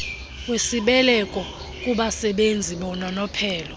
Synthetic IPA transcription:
wesiɓɛlɛkʼɔ | kʼuɓasɛɓend͡zʱiɓɔnanɔpʰɛːlɔ

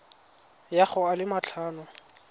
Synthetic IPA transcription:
jaχʊalɪmat͡ɬʰaːnɔ

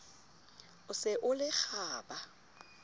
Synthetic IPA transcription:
ʊsɪʔʊlɪk͡xʰaːba

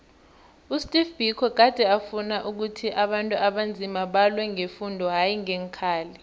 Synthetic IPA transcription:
ustʼifb̥ʱikʰɔk̬ad̥ʱɛafunaʔuk̬utʰiʔaɓantʼuaɓand͡zʱimaɓalwɛŋefundʱɔɦajiŋeŋkʰaːli

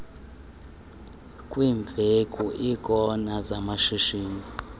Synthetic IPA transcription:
kʼwiːɱb̪vʱekʼuʔikʼɔnazamaʃiʃiːni

